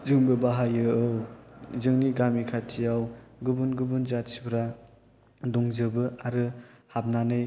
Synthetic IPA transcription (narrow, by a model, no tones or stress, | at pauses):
zɯŋbɯbaɦajɯɯwzɯŋniɡamikʰatʰijawɡɯbunɡɯbɯnzatsibɾa | dɔŋzɯbɯaɾɯhap̚nanɯj